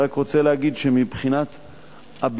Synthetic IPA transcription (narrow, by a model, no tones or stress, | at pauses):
akʁo̞t͡selehaɡid̪ʃemibχinat̪ | ab